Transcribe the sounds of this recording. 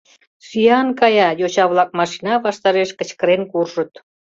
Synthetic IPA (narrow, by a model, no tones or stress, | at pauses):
syjɑnkɑjɑjot͡ɕɑβlɑk̚mɑʃinɑβɑʃt̪ɑɾeʃkə̆t͡ɕkəɾenkurʒə̆t̪